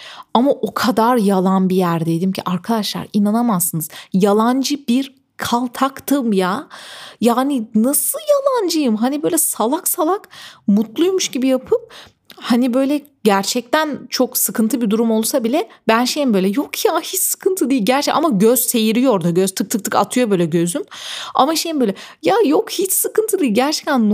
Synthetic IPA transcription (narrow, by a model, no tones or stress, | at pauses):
amaʔo̞kʰad̪aɾjalˠanbijæɾd̪ed̪imcʰḭʔaɾkʰad̪aʃlˠa̰ɾinanamazːɯnɯzjalˠand͡ʒɯbiɾ | kʰalˠt̪ʰakt̪ʰɯmjaːjaːninasɯjalˠand͡ʒɯjɯmɦanibø̞jlʲɛsalˠaksalˠakmut̪lˠujmuʃɟibijapʰɯp̚ | hanibø̞ːjlʲɛ | ɟæɾt͡ʃʰɛc̚t̪ʰænt͡ʃʰo̞ksɯkɯnt̪ʰɯbid̪uɾumo̞lˠsabilʲɛbænʃejimbøjlʲɛjokʰjahit͡ʃsɯ̥kʰɯnt̪ʰɯd̪iːilʲɟæɾt͡ʃɛcʔa̰maɟøz̥se̞jiɾijo̞ɾd̪aɟøz̥t̪ʰɯk̚t̪ʰɯk̚t̪ʰɯka̰t̪ʰɯjo̞bø̞jlʲɛɟø̞zyma̰maʃejimbøjlʲɛjajokhit͡ʃsɯkɯnt̪ʰɯd̪iːiɟæɾt͡ʃʰɛ̥c̚t̪ʰænː